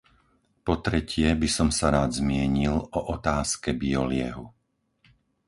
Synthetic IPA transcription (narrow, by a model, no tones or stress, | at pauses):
pɔt̪ɾɛcʰɪɛbisɔmsaɾaːd̪zmɪɛɲilɔʔɔt̪aːskɛbiɔlɪɛɦu